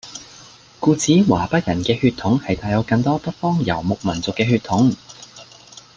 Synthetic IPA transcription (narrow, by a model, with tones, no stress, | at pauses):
kuː˧t͡siː˨˥waː˨˩pɐ˥t̚jɐ˨˩nkɛː˧hyː˧t̪ʰʊ˨˥ŋhɐ˨jt̪ʰaː˧jɐ˨˧˥wkɐ˧ŋt̪ɔː˥pɐ˥t̚fɔː˥ŋjɐ̰˨˩wmʊ˨k̚mɐ˨˩nt͡sʊ˨kːɛː˧ɦyː˧t̪ʰʊ˨˥ŋ